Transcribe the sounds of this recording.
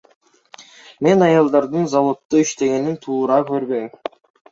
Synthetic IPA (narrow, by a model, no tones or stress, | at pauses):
me̞nɑjɑlˠd̪ɑɾd̪ɯnzɑlˠot̪ːuiʃt̪e̞ɡe̞nint̪ʰuːɾɑkø̞ɾbø̞jm